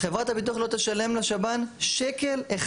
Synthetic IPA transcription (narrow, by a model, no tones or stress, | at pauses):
χevʁat̪abit̪̬uaχlo̞t̪eʃale̞mlaʃabanʃeke̞leχ